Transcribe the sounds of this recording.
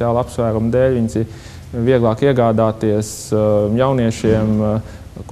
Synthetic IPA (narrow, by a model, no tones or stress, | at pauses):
aːlˠapsvæːɾumd̪ɛːlʲʋiɲsi | ʋiɛɡlˠɑːkiɛɡaːd̪aːt̪iɛsjawniɛʃiɛm | k